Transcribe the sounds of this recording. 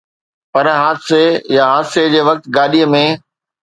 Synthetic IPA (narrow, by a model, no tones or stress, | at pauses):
pɐɾɦaːd̪sejaɦaːd̪sed͡ʑeːʋɐk̚t̪ɡaːɗiəmẽː